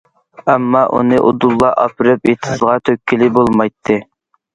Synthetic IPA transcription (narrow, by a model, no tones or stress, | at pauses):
ɛmːɑʔṵnɨʔo̰d̪ulˠːɑʔɑ̰pʰɨɾɨpet̪ʰɨzʁɑt̪ʰøkʲʰːilɪbolˠmɑjt̪ʰːɨ